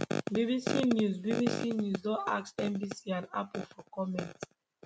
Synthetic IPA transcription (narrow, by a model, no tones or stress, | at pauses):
bibisinjuzbibisinjuzdɔa̰ksɛ̃mbisiãna̰pufɔkɔmɛ̃nt